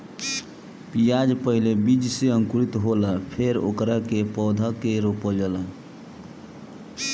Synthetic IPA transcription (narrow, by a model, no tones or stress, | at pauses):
pijad͡ʒpəɦilebid͡ʒseəŋkuɾit̪ɦoləpʰeɾo̰kɾəkepɔd̪ʱəkeɾopəld͡ʒələ